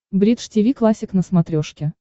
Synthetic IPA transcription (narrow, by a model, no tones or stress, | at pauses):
bɾʲit̪ʂtʲɪvʲiklˠasʲɪknəsmɐt̪ɾʲoʂkʲɪ